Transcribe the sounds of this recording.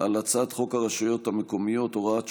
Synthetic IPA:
alat͡sad̪χo̞kaʁeʃujo̞t̪hameko̞mijo̞toʁaa

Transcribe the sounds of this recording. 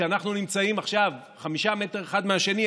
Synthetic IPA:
eanaχnunimt͡saimaχʃav | χamiʃame̞teʁeχad̪meaʃe̞ni

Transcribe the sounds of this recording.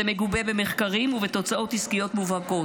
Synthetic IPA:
eme̞ɡubebe̞meχkaʁimuvet̪o̞t͡saʔo̞t̪iskijo̞t̪muvhaɡo̞

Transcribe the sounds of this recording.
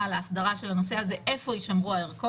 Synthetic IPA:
alaːsdaʁaʃe̞lano̞se̞ɦazeʔefo̞iʃamʁuaeʁko

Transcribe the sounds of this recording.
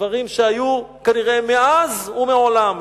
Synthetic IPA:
vaʁimʃeajukaniʁemeʔazumeʕolam

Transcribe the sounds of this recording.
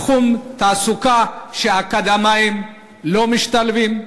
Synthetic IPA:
χumt̪aːsukaʃeakad̪amaim | lomiʃt̪alvim

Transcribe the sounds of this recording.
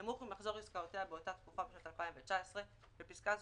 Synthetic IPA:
amuχimaχzo̞ʁiskaoteabe̞o̞taːt̪kufabeʃnot̪alpaĩmvet͡ʃaesʁe | b̥episkaz

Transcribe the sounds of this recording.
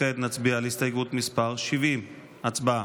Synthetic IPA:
et̪nat͡sbialist̪ajɡut̪mispaʁʃivim | at͡sbaa

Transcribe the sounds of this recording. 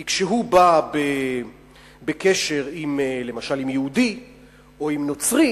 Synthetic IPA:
kʃeɦubabe | bekeʃe̞ʁimlemaʃalimjeud̪i | o̞imnot͡sʁi

